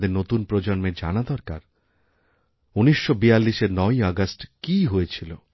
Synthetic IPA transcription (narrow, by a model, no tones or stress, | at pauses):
d̪eɾnot̪unpɾod͡ʒɔnmed͡ʒa̰ñad̪ɔɾka̰ɾ | unisːobijalːiʃeɾnɔjɔɡasʈkiɦoet͡ʃʰilo